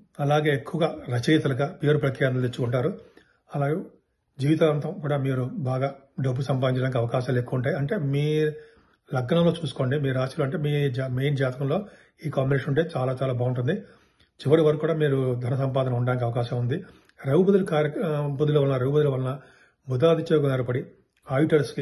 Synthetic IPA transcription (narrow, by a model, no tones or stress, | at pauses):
ɐlaːɡe̞ːekːuʋɐɡaːɾɐt͡ʃit̪ɐlɐɡaːpijɐɾupɾɐkjaːd̪ɐld̪it͡ʃːukuɳʈaːɾu | ɐlaːɡe | d͡ʒiːʋit̪ɐːɐnt̪ɐmkuːɽaːmiːɾubaːɡaː | ɖɐbːusɐmp̬aːd̪iɲt͡ʃɐɖɽaːnikɐʋɐkaːʃaːmlekːuːuɳʈaːjɐɳʈe̞ːmiː | lɐɡːɐnɐmlo̞ːt͡ʃuːsu̥ko̞ːɳɖimiːɾaːsɐloɐɳʈ̬e̞ːmiːd͡ʒamejnd͡ʒaːt̪ɐkɐmlo̞ː | iːkaːmbineʃɐnuɳʈe̞ːt͡ʃaːlaːt͡ʃaːlaːbɐːwunʈund̪i | t͡ʃiʋːɐɾiʋɐɾkːuːɽaːmiːɾud̪ʱɐnɐsɐmpaːd̪ʱɐnɐuɳɖaːnik̬iɐʋɐkaːʃɐmund̪i | ɾɐwbɐd̪ulukaːɾjɐbɐd̪ulɐʋɐlːnɐɾɐwbɐd̪ulɐʋɐlɐnɐ | mud̪aːd̪it͡ʃeːkɐnɐɾɐpɐɽi | aːjʈɐlski